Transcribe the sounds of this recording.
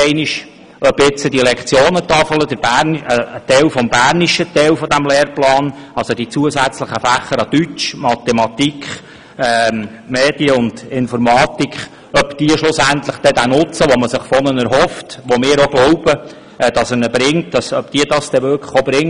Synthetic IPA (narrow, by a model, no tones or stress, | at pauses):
ɛɪniʃ | œbɪt͡sədiəlɛkt͡sjoːnət̪ɑfələd̥̪əɾb̥æəət̪ɛlfɔmbæːrniʃət̪ɛlfɔd̪æmlɛːɾplɑːnɑlsod̥̪it͡suəsæt͡sləχəfæχəɾɑd̥̪yt͡ʃmɑt̪ɛmɑt̪ikχ | ɛː | meːd̥iəʊnd̥ɪnfɔɾmɑːt̪ikχ | œpd̥iəʃlʊsænt̪ləχd̥ɛd̪ænʊt͡səʋɔməsɪχfɔnənɛɾɦɔftʋomɪːɾoɡ̥lɔʊb̥ə | ɛd̥ɑsənəbɾɪŋt̚d̥ɑsœpd̥iədɑstɛʋʏɾkʰləχobɾɪŋ